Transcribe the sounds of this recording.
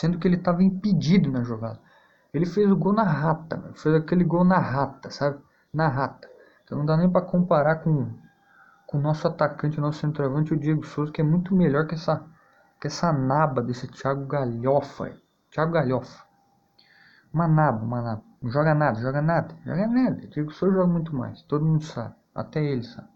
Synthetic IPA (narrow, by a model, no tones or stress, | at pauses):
sẽd̪ʊkɪelɪt̪avɐĩpid͡ʒid̪ʊnɐʒoɡa̰d̪ɐ | elɪfezʊɡownɐɦat̪ɐ̰mḛmʊfejzakelɪɡownɐɦat̪ɐsabɪ | nɐɦat̪ɐ̥̃ | nɐ̃d̪anẽj̃pɾɐkõmpaɾakõ | kõnɔsʊat̪akɐ̃t͡ʃɪʊnɔsʊsẽnt̪ɾavɐ̃t͡ʃɪʊd͡ʒieɡʊsozɐkɪɛmũj̃t̪ʊmeʎɔɾkɪɛsɐ | kɪɛsɐnabɐd̪esɪt͡ʃiaɡʊɡaʎɔfɐ̰ | t͡ʃiaɡʊɡaʎɔfɐ̥ | ũmɐnabɐũmɐnabɐ̃ʒɔɡɐnad̪ɐʒɔɡɐnad̪ɐʒɔ̰ɡɐnad̪ɐd͡ʒieɡʊsozɐʒɔɡɐmũj̃t̪ʊma̰jst̪od̪ʊmũnd̪ʊsa̰bɪa̰t̪ɛelɪsa̰bɪ